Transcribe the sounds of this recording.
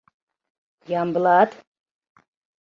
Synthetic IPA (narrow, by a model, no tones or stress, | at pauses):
jambəlaːt̪